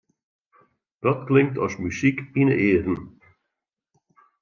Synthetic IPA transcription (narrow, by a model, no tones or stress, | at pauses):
d̥ɔtklɪŋk̚tɔ̰smysikinə̰ʔeːədən